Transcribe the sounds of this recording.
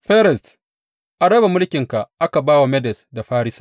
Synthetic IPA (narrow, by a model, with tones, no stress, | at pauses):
ɸɛ˦ɾɛ˨st | ʔa˨ɽɐ˦ba˨mʊ˦lkʲɪ˨ŋka˨ʔa˦ka˨baː˦wa˨mɛ˦dɛ˨sda˨ɸaː˦ɾɪ˦sḁː˦